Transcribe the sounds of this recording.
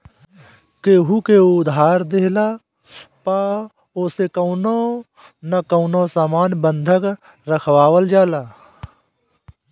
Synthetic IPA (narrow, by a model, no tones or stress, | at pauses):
keːɦukeʊd̪ɦaːɾd̪eɦla | pa | oːsekəʊno | nɐkəʊnosaːmaːnbənd̪ʱək | ɾəkʰwaːwəld͡ʒaːlaː